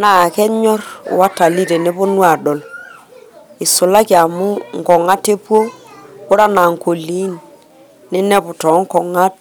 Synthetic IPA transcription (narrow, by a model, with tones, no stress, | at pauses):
na˦˨kɛ˦ɲɔ˦r̰wa˦ta˨li˦ɾe˨ne˦bo˦nwa˨dɔ˨l | ɪ˨sʊ˨la˦ki˨a˨mʊ˦ŋ˨kɔ˨ŋa˦te˦pwo˦kʊ˦ɾa˦na˨ŋko˨li˨˦n | ne˦nɛ˦pʊ˨tɔ˨˦ŋ̩˦kɔ˨ŋa˦t̚